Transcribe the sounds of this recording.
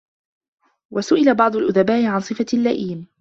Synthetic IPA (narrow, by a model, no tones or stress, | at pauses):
wasʊʔɪlabɑʕd̪ˤʊlʔʊðabaːʔɪʕansˤɨfalːaʔiːm